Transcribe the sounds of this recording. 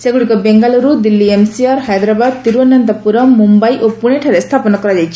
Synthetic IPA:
seɡuɽikɔbeŋɡalɔɾud̪ilːiemsiaɾɦajd̪ɾabad̪̚t̪iɾuɔnant̪apuɾɔmːumbajʔopuɽ̃eʈʰaɾest̪ʰapɔnɔkɔɾad͡ʒajt͡ʃʰi̥

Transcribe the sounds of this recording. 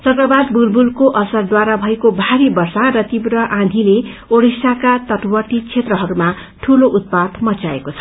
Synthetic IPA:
t͡sʌkrʌbad̪bulbulkoʔʌsʌrd̪waɾabʱʌekobʱaɾibʌrsarʌt̪ibɾʌʔãnd̪ʱileoɽisakat̪ʌʈwʌʈ̪it͡sʰet̪rʌɦʌɾuma | ʈʰuloʔut̪̚pat̪mʌt͡saḛkot͡sʰʌ̥

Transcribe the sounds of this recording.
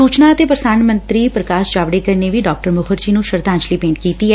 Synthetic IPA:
uːt͡ʃnaət̪epɾəsaːnmə̃nt̪ɾiːpɾəkaːsd͡ʒaːʋɽekəɾneʋiɖɔːk̚ʈəɾmʊkʰəɾd͡ʒiːnũʃəɾd̪ãːnt͡ʃliːpẽːɳʈ̚kiːt̪iɦɛː

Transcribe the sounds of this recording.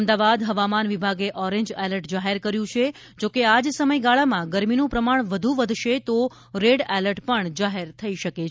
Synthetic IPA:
md̪aʋad̪ɦəʋamanʋibʱaɡeʔɔɾẽɲd͡ʒɛləɾʈd͡ʒaɦeɾkəɾjũt͡ʃʰe | d͡ʒokead͡ʒsəməjɡaɭamãɡəɾminũpɾəmaɳ̃ʋəd̪ʱuʋəd̪ʱʃet̪o | ɾeɖɛləɾʈpəɳd͡ʒaɦeɾt̪ʰəiʃəke

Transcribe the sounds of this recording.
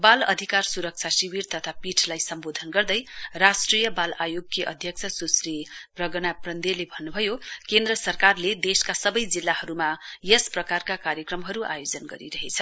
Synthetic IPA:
balʌ̰d̪ʱikarsuɾʌk̚t͡sʰasibiɾt̪ʌt̪ʰapiʈʰlajsʌmbod̪ʱʌnɡʌrd̪ʌjrasʈrijʌbalajoɡkːiʔʌ̰d̪ʱjʌk̚t͡sʰʌsusriprʌɡʌnaprʌnd̪elebʱʌnːubʱʌjokend̪rʌsʌrkarled̪eskasʌbʌjd͡zilːahʌɾumajʌsprʌkarkakaɾjʌkrʌmɦʌɾuʔa̰jod͡zʌnɡʌɾḭɾʌɦet͡sʰʌ

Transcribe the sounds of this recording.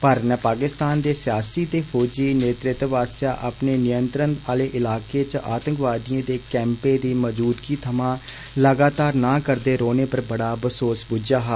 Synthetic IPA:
pəɾnɛːpaːkɪst̪aːnd̪eːsɪjaːsiːt̪eːfʰoːd͡ʒiːneːt̪ɾɪt̪ːʋaːsjaːʔapneːnɪjənt̪ɾənaːleːʔɪlaːkeːt͡ʃəaːt̪ə̃ŋkʋaːd̪ijãːd̪eːkɛ̃ːmpeːd̪iːməd͡ʒuːd̪kiːt̪ʰəmãː | ləɡaːt̪aːɾnaːkəɾd̪eːɾoːneːpəɾbəɽaːbəsoːsbud͡ʒaːɦaː

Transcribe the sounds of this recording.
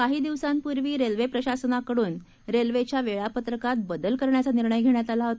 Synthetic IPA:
kaɦiːd̪iʋsãnpuɾʋiːɾelʋepɾəɕasənakəɽuːn | ɾelʋet͡ɕjaʋeɭapət̪ɾəkat̪̚bəd̪əlkəɾɳjat͡saniɾɳəjɡʱeɳjat̪alaɦot̪

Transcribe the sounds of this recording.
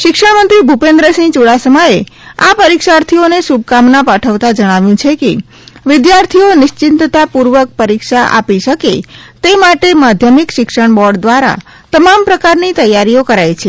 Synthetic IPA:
ʃɪkʂəɳmənt̪ɾibʱupẽnd̪ɾəsĩt͡ʃuɽasəmaeapəɾikʃaɾt̪ʰionesub̚kamnapaʈʰəʋt̪ad͡ʒəɽ̃aʋjũt͡ʃʰeke | ʋɪd̪jaɾt̪ʰionɪʃt͡ʃɪnt̪t̪apuɾʋək̚pəɾikʃaʔa̰piʃəket̪emaʈemad̪ʱjəmikʃɪkʃəɳbɔɾɖd̪ʋaɾa̰ | t̪əmampɾəkaɾnit̪əjːaɾiokəɾajt͡ʃʰe

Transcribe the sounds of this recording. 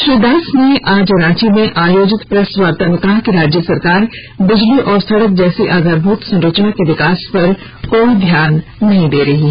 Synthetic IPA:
ʃɾɪd̪aːsneʔaːd͡ʒɐɾãːt͡ʃimẽʔaːjoːd͡ʒɪt̪pɾɛsʋaːɾt̪aːʋɪk̪aːɦkeɾaːd͡ʒjəsɐɾkaːɾ | bɪd͡ʒliʔɔːɾst̪ʰɐɾək̚d͡ʒɛːseʔaːɡaːɾbʱuːt̪sɐ̃nɾəːt͡ʃnakeʋɪkaːspɐɾ | koːid̪ʱjaːnːɐɦĩd̪eːɾɐɦi

